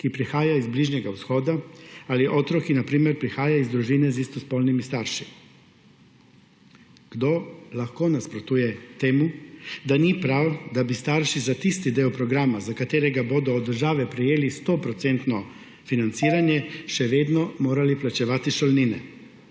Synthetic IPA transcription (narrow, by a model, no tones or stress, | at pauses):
kipɾixaːjaizbliʒnɛɡawsxɔːd̪aaliʔɔːt̪ɾɔkinapɾiːmɛɾpɾixaːjaizd̪ɾuʒiːnɛzist̪ɔspɔlnimist̪aɾʃi̥ | ɡ̥d̪olaxkoːnaspɾɔt̪uːjɛt̪eːmud̪anipɾawd̪abist̪aɾʃizat̪ist̪id̪eːɔpɾɔɡɾaːmazakat̪eːɾɛɡaboːd̪ɔːd̪ːəɾʒaːʋɛpɾɛjeːlist̪opɾɔt̪sent̪nɔ | finant̪siːɾanjɛʃɛʋeːd̪nɔmoːɾaliplat͡ʃɛʋaːt̪iʃɔlniːnɛ̰